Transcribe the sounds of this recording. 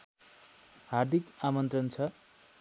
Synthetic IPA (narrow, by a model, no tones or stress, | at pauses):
hard̪ʱikamʌnt̪rʌnt͡sʰʌ